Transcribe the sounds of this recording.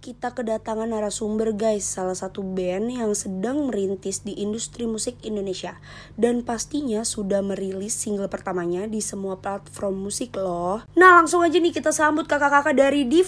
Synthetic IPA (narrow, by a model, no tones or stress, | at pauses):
kit̪akədat̪aŋanaɾasumbərɡajsːalahsat̪ubɛnjaŋsədaŋməɾint̪ɪsdiʔːndust̪ɾimusɪk̚indonesia | danpast̪iɲasudahməɾilɪsːiŋɡəlpərt̪amaɲadisəmuaplat̪̚fɾɔmːusɪklɔhnahlaŋsʊŋad͡ʒanɪhkit̪asambʊt̪̚kakakakadaɾidi